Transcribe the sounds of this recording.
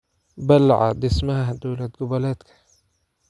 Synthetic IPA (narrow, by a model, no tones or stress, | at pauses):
balːa̰ʕa̰d̪ɪsmahaɦad̪uːlat̪̚ɡʊbalat̪kḁ